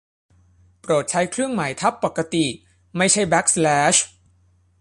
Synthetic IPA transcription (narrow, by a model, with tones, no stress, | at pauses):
pɾoː˨˩t̪̚t͡ɕʰa˦˥jkʰɾɯ˥˩əŋma˩˦jt̪ʰa˦˥pːa˨˩kːa˧t̪i˨˩ | ma˥˩jt͡ɕʰa˥˩jbɛ˦˥k̚slɛː˦˥ɕ